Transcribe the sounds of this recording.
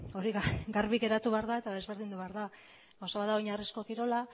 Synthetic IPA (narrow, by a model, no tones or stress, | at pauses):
o̞ɾiɣɡaɾβiɣe̞ɾat̪uβeaɾðae̞t̪aðe̞zβe̞ɾðind̪uβaɾða | ɡawsaβaðaojɲarisko̞kiɾo̞la